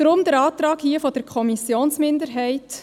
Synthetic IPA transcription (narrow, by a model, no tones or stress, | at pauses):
ɾʊmd̪əɾɑːtɾɑːɡhiəfɔd̥əɾkʰɔmisjoːnsmɪnd̪əɾɦɛɪt